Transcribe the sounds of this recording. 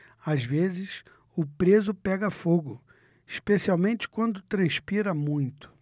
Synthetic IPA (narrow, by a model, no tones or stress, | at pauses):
azvezɪs | ʊpɾezʊpɛɡɐfoɡʊ | iʃpesiawmẽnt͡ʃɪ̥kwɐ̃nd̪ʊt̪ɾɐ̃spiɾɐmũj̃t̪ʊ̥